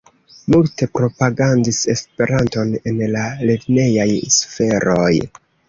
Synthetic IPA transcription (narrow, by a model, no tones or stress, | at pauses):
multe̞pɾo̞paɡandise̞spe̞ɾanto̞ne̞nlale̞ɾne̞jajsfe̞ɾo̞̰j